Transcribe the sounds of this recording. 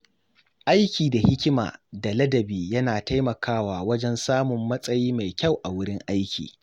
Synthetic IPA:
ʔa˦jkʲiː˨da˨hɪ˦kʲɪ˦ma̰ː˨da˨lɐ˦dɐ˨biː˨jɐ˦naː˨ta˦jmɐ˨kaː˦waː˨wɐ˦d͡ʒɛ˦nsaː˦mʊ˨mːɐ˦sʼɐ˦jiː˦ma˨jkʲa˦˨wʔa˨wʊ˦ɽɪ˦ŋʔa˦jkʲḭː˨

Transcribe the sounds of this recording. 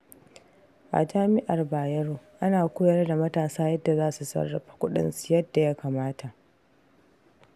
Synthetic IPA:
ʔa̰˨d͡ʒaː˦mɪ˦ʔa˨rbaː˨jɐ˦ɽoː˨ʔa˦naː˨kʷoː˦jɐ˦rda˨mɐ˦taː˨saː˦jɐ˦dːa˨zaː˦su˨sɐ̰˦rːɐ˨ɸḁ˨kʷʊ˦ɗɪ̰˦nsjɐ˦dːa˨ja˦kaː˨maː˦ta˨ʔ

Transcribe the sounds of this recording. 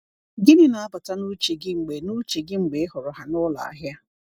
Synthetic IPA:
ɡɪ˦nɪ˦na˨a˦pa˨ta˦nu˦t͡ʃe˨ɡɪ˦ŋ͡m̩˨ɡ͡be˨nu˦t͡ʃe˨ɡɪ˦ŋ͡m̩˨ɡ͡be˨ɪ˦ɦʊ˨ɾʊ˨ɦa˨nʊ˦la̰˨a̰˦ɦja˦

